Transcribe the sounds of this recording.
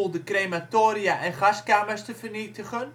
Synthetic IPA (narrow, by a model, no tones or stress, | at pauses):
lˠdəkrematoːɾiaʔɛnχaskaːməstəfərnitəχən